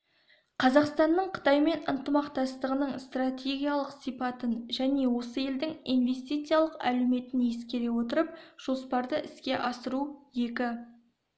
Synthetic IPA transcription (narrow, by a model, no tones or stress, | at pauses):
qʰɑzɑqst̪ɑnːəɴqʰə̥t̪ɑjme̞nənt̪əmɑqt̪ɑst̪əʁənəɴst̪rat̪ʲe̞ɡʲijalˠəqsijpɑt̪ənʒæne̞wo̞səje̞ld̪ɪŋijnve̞st̪ijt̪sɨjalˠəqæ̰leme̞t̪ɪnje̞skʲe̞ɾe̞wo̞t̪əɾəp̚ʒ̥o̞spɑɾd̪əʔɪskʲe̞ʔɑsəɾuje̞kʲɪ